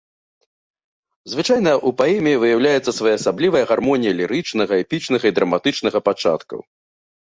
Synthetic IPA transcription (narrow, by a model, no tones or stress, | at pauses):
zvɨt͡ʂajnɐʔupaɛmʲijivɨjawlʲajɛt̪sːɐsvajaɐsablʲivɐjɐɣarmɔnʲijɐlʲiɾɨt͡ʂnɐɣɐɛpʲit͡ʂnɐɣɐid̪ɾɐmat̪ɨt͡ʂnɐɣɐpat͡ʂa̰t̪kɐ̰w